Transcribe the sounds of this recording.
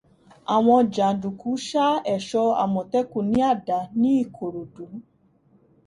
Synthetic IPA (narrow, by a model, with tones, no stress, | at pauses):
a˨wɔ̃˧d͡ʒa˨du˨ku˨˦ʃa˦ɛ˨ʃɔ˧a̰˨mɔ˨tɛ˦ku˨nĩ˦a˦˨da˨ni˦˨kʰo˨ɾo˨du˨˦